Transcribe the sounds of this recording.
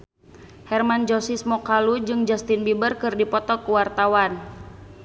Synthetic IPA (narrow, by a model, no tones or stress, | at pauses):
hɛrmand͡ʒɔsismɔkalud͡ʒɨŋd͡ʒast̪inbibərkɨrdipɔt̪ɔkuwart̪awan